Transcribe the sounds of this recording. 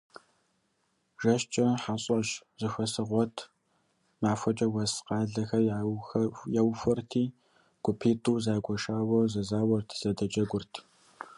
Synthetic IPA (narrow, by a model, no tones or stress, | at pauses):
ʒɐʃt͡ʃʼɐħaɕʼɐʃz̥ɨxʷɐsɨʁʷɔtʰ | maːfʷɐt͡ʃʼɐwɐsqɑːɮɐxɐ | jɛwfʷɐrtʰiː | ɡ̥ʷʊpʰiːtʼuːzaːɡʷʃaːwɐzɐzaːwɔrtʰz̥ɐdɐt͡ʃʼɐɡʷʊrtʰ